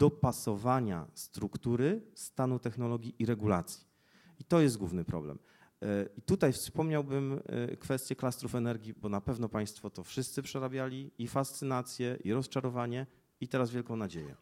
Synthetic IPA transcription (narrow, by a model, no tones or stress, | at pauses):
d̪̥ɔpasɔvaɲa̰st̪ɾukt̪uɾɘst̪anut̪ɛxnɔlɔɡʲiʔiɾɛɡulat̪sʲji̥ | it̪ɔjɛsd̪ɡwṵvnɘpɾɔ̰blɛ̰m | it̪ut̪ajfspɔmɲawbɘm̰kfɛst̪ʲjɛklast̪ɾufɛnɛɾɡʲibɔnapɛvnɔpaj̃st̪fɔt̪ɔfʂɘst̪sɘpʂɛɾabʲjalʲiifast̪sɘnat̪sʲjɛʔiɾɔst͡ʂaɾɔvaɲɛ | it̪ɛɾazvʲjɛlkɔ̃w̃nad͡ʑejɛ̰